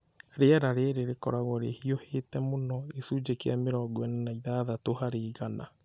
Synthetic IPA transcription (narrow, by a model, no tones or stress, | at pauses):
ɾeɛɾaɾeɾeɾekɔɾaɣɔɾḛhiohetɛmonɔesud͡ʒekea̰meɾɔɡwɛnɛnaiðaðatohaɾeːɣana̰